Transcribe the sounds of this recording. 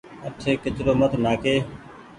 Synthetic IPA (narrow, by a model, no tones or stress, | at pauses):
əʈʰeːkɪt͡ʃɾoːmət̪naːkeː